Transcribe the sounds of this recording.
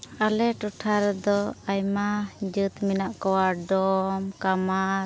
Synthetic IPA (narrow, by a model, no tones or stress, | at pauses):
alɛʈuʈʰaɾɛd̪ɔajmad͡ʒɨt̪minaʔkɔwaɖɔmkamaɾ